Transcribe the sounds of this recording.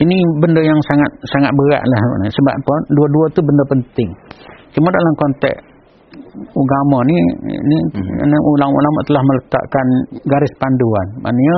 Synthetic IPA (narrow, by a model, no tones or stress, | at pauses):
inibəndəjaŋsaŋat̪̚saŋat̪̚bəɾa̰ʔlahnisəba̰ʔponduəduət̪ubəndəpənt̪ɪŋt͡ʃumadalamkɔnt̪ɛ̰k | uɡamɔnḭnḭnəʔulaŋṵlaməʔt̪əlahmələt̪a̰ʔkanɡaɾɪspanduanma̰nəɲə